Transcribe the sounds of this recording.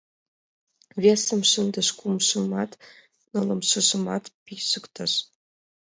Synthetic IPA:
vʲesə̆mʃənd̪ə̆ʃkumʃə̆mɑt̪ | nolɤ̆mʃə̆ʒə̆mɑ̰t̪piʃəkt̪ʰə̆ʃ

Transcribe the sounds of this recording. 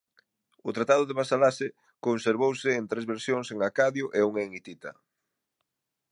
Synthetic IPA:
ʊt̪ɾat̪aðʊðeβasalasɪ | konseɾβowsɪːnt̪ɾezβeɾsjoŋseŋakaðjʊʔeuŋeŋit̪it̪ɐ̰

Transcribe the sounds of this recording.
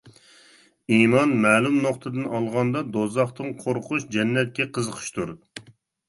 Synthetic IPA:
imɑnmɛːlˠumnoqt̪ʰɨd̪ɨnɑlˠʁɑnd̪ɑd̪ozɑχt̪ɨŋqʰoɾqʰuʃd͡ʒɛnːɛt̪̚kʲɛqʰəzəqʰə̥ʃt̪uɾ

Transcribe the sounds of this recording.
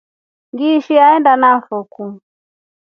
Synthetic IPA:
ŋɡiʃiaɛndanafɔku

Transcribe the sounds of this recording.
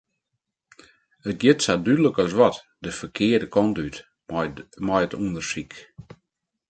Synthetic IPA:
ət̚ɡjɪtsadyləkɔsʋɔt | dəfərkʰɪədəkʰɔntyt | mɔjətundərsik

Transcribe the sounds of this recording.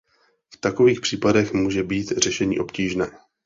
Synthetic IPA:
ft̪akoviːxpr̝̥iːpadɛxmuːʒɛbiːt̪r̝ɛʃɛɲḭːʔo̞pciːʒnɛː

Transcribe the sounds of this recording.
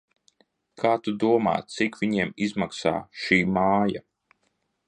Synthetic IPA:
kʰaːt̪ud̪uɔma̰ːt̪̚t̪sikvʲiɲiɛmizmaksa̰ːʃiːmaːja̰

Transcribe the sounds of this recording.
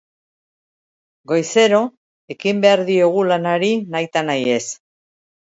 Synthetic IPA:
ɡo̞jse̞ɾo̞ | e̞kimbe̞aɾðio̞ɣ̞ulanaɾinajt̪anaje̞s

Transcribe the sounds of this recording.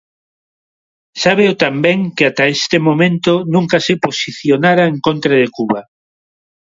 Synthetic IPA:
saβeot̪ambɛŋkɪat̪aest̪emomẽnt̪onũŋkasɪposiθjonaɾaeŋkont̪ɾaðekuβa

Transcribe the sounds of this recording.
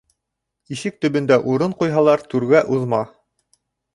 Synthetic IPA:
iʃɘk̚t̪ɵ̆bɵ̆nd̪æʔuɾɤɴqujɦɑlˠɑɾt̪ʉɾɡæʔuðmɑ

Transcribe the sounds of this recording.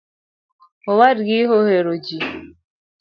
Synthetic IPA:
owaɾɡiɦoheɾod͡ʒi

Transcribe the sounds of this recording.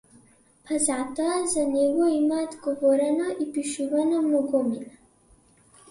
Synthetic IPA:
pʰazat̪ɔazanɛɡɔimad̪ɡɔvɔɾanaʔipiʃuvanamɔɡɔmina

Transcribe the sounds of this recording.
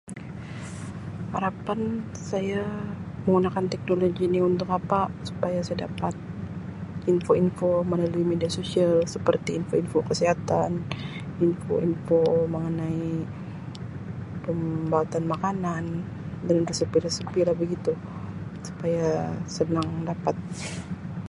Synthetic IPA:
haɾapan | sajaməŋɡunakant̪ɛk̚noloɡiniunt̪ʊkapasu̥pajasajada̰pat̪̚ | infoinfomənaluimediasosialsəpərt̪iːnfoinfokəsiɦat̪aninfo̰ʔḭnfoməŋənai | pəmbaat̪anmakanan | dannrəsəpilasəpilabəɡit̪u | su̥pajasənaŋdapat̪̚

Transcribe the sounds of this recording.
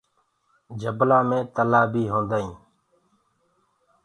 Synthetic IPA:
d͡ʒəblaːmẽːt̪əlaːbiːɦõːnd̪aːĩː

